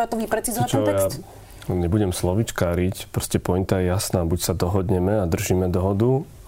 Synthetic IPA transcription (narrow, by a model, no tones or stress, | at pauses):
at̪ɔʋipɾɛt͡sizɔat͡ʃɔɦt̪ɛja | ɲɛbuɟɛmslɔʋit͡ʃkaːɾicpɾɔscɛpɔjint̪ajɛjasnaːbucsad̪ɔɦɔd̪ɲɛmɛad̪r̩ʒiːmɛd̪ɔɦɔd̪u